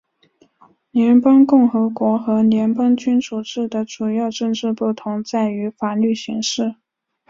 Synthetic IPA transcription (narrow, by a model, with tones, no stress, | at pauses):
ljɛ˧˥npɑ˥ŋkʊ˥˩ŋxɤ˧˥kwɔ˧˥xɤ˧˥ljɛ˧˥npɑ˥ŋt͡ɕy˥nt͡su˨˩ʈ͡ʂɻ̩˥˩d̪ə˩ʈ͡ʂu˨˩jɑ˥˧ʊʈ͡ʂɤ˥˧ŋʈ͡ʂɻ̩˥˧pu˥˩t̪ʰʊ˧˥ŋt͡sa˥˩ɪy˧˥fa˨˩ly˥˩ɕi˧˥ŋʂɻ̩˥˩